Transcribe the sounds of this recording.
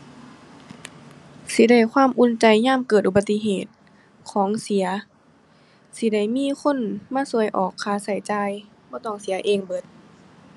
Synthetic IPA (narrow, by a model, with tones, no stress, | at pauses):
si˧˦da˧˩jkʰwaː˧˥˨mʔu˧˥˨nt͡ɕa˧jɲaː˧˥˨mkɤː˧˨˩t̪̚ʔu˧ba˧t̪ːi˧˥ɦeː˨˩t̪̚ | kʰɔː˨˦ŋsi˨˩˦ɐ | si˧˦da˧˩jmiː˧˥˨kʰo˧˥˨nmaː˧˥˨su˧˩əjʔɔː˨˩kʰːaː˧˦sa˧˩jt͡ɕaː˧j | bɔː˧t̪ɔː˧˩ŋsi˨˦ɐʔeː˧˩ŋbɤ˧˦t̪̚